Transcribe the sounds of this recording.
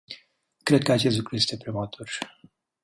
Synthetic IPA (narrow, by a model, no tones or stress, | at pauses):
kɾed̪̚kəat͡ʃest̪lukɾuje̞st̪e̞pɾimat̪ʰur